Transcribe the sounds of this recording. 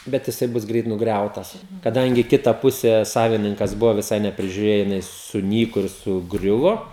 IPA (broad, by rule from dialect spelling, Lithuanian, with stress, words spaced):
ˈbʲɛt jɪˈsɐɪ ˈbʊs ˈɡrʲɛɪt nʊɡˈrʲɛʊtɐs kɐˈdɐŋʲɡʲɪ ˈkʲɪtɐ ˈpʊsʲɛ ˈsɑːʋʲɪnʲɪŋkɐs ˈbʊʋoː ʋʲɪˈsɐɪ nʲɛpʲrʲɪʒʲʊˈrʲeːjoː jɪˈnɐɪ sʊˈnʲiːkoː ɪr sʊˈɡrʲʊʋoː